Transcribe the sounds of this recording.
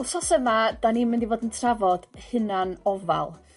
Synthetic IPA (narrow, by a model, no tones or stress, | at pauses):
lˠsɔsəmad̥aniːmɪndivoːdəntʰravɔd̥hɨnanɔva̰lˠ